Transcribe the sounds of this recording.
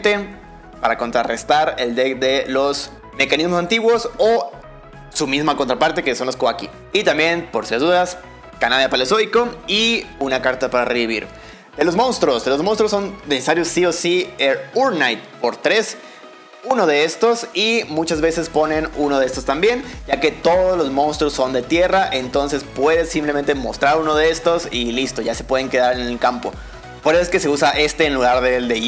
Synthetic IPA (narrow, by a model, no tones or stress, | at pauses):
t̪e̞ | paɾako̞nt̪ɾarest̪aɾe̞ld̪eðe̞lo̞s | me̞kanizmosant̪iɣwo̞so | sumizmako̞nt̪ɾapaɾt̪e̞keso̞nloskoakḭ | it̪ambje̞npoɾsiazðuðas | kanaðjapalesojkoiunakaɾt̪apaɾareðiβ̞ḭɾ | d̪̥e̞lo̞zmõ̞nst̪ɾo̞sd̪elozmonst̪ɾosːo̞nd̪esesaɾjosːiosieɾuɾnajt̪̚po̞ɾt̪ɾe̞s | uno̞ðe̞est̪o̞simut͡ʃazβe̞se̞spo̞nẽ̞nuno̞ðest̪ost̪ambje̞nɟ͡ʝake̞t̪o̞ðozlo̞zmõ̞nst̪ɾosːo̞nd̪e̞t̪je̞raʔe̞nt̪o̞nse̞spwe̞ðe̞sːimplement̪e̞mo̞̰st̪ɾaɾuno̞ð̞ee̞st̪o̞silist̪oʝase̞̥pwe̞ð̞e̞ŋke̞ðaɾene̞lkampo̞̰ | po̞ɾesoeske̞se̞usaʔe̞st̪e̞ːnluɣaɾðeld̪e